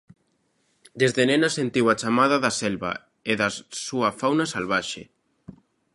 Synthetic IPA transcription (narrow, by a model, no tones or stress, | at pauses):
d̪ezðenẽnasent̪iwat͡ʃamaðaðɐsɛlβa̰ | eðɐsuɐfawnasalβaʃḛ